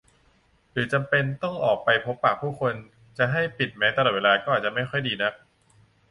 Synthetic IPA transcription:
ɾɯː˩˦t͡ɕa˧mpe˧nt̪ɔ˥˩ŋʔɔː˨˩k̚pa˧jpʰo˦˥pːaː˨˩k̚pʰːuː˥˩kʰo˧n | t͡ɕa˨˩ɦa˥˩jpi˨˩t̪̚mɛː˦˥t̪a˧lɔ˨˩weː˧laː˧kɔː˥˩ʔaː˨˩t̚t͡ɕa˨˩ma˥˩jxʰɔ˥˩jdiː˧na˦˥k̚

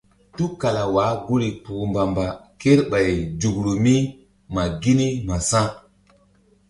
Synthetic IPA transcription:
tu˦ka˨la˨wa˨˦ɡu˦ɾi˨pu˨mba˨mba˨ke˦ɾɓa˨jd͡ʒu˨ɡɾu˨mi˦ | ma˨ɡi˦ni˦ma˨sã˦

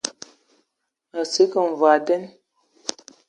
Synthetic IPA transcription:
ə˨si˨˦kə˨n˨va˨də˦n

